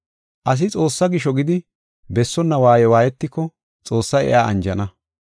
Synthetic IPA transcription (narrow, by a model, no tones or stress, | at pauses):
ʔɐs̬ɪt͡sʼo̞ːsːɐɡɪʃɔɡɪd̪ɪ | bɛsːɔnːɐwaːjɛwaːjɛt̪ːɪkːɔ | t͡sʼo̞ːsːɐjɛ̰ʔaːɐ̰nd͡ʒɐnɐ